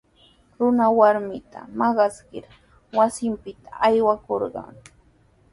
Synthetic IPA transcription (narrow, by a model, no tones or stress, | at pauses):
ɾʊnawaɾmɪt̪ʰa̰mɑɢɑskɪɾ | wasɪmpɪt̪ʰḁʔːjwakoɾɢɑ̰ŋ